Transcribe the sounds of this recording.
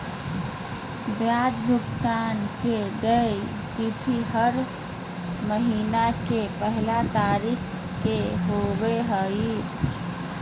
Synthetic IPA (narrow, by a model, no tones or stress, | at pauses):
bjad͡ʒbʱukt̪ankeɡəj | t̪it̪ʰiɦəɾ | məɦinakepəɦilat̪aɾikʰ | kːeɦobeɦəi